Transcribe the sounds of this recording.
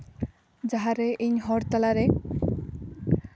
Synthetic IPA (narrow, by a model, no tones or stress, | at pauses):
d͡ʒaɦaɾeʔiɲɦɔɾt̪alaɾe